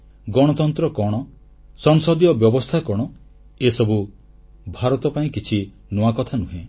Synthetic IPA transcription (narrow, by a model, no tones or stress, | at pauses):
ɡɔɽ̃ɔt̪ɔnt̪ɾɔkɔɽ̃ɔ | sɔŋsɔd̪ijɔbjɔbɔst̪ʰakɔɽ̃ɔ | esɔbu | bʱaɾɔt̪ɔpaĩkit͡ʃʰi | nuwakɔt̪ʰanuɦẽ